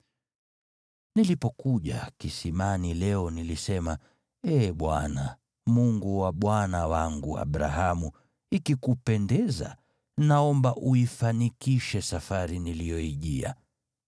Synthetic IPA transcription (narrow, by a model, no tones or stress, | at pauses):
nilipɔkuʄa̰kisimanilɛɔnilisɛma | ɛːɓwana | muŋɡuwaɓwanawaŋɡua̰ɓɾa̰ɦamu | ikikupɛndɛza̰ | naɔmbaʔuifanikiʃɛsafaɾinilijɔiʄia̰